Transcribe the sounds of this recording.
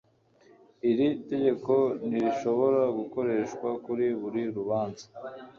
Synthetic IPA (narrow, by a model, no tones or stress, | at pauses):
iɾite̞ɟe̞ko̞niɾiʃo̞βo̞ɾaɡuko̞ɾe̞ːʃkwakuɾiβuɾiɾuβaːnza